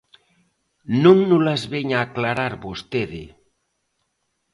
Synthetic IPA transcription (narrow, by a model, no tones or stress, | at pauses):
nuŋnulazβeɲaːklaɾaɾβost̪eðḛ